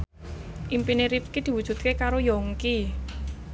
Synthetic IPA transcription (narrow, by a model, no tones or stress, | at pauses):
ʔimpineɾip̚kid̪̥i̤wud̥ʒ̥ṳt̪̚kekaɾojɔŋki